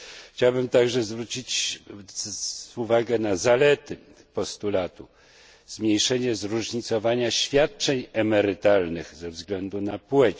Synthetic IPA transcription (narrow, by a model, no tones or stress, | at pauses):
xt͡ɕawbɘmt̪aɡʐɛzvɾut͡ɕit͡ɕ | uvaɡɛnazalɛt̪ɘ | pɔst̪ulat̪u | zmʲɲejʂɛɲɛzɾuʐɲit̪sɔvaɲaɕfʲjat̪̚t͡ʂɛɲɛmɛɾɘt̪alnɘɣzɛvzɡlɛnd̪unapwɛt͡ɕ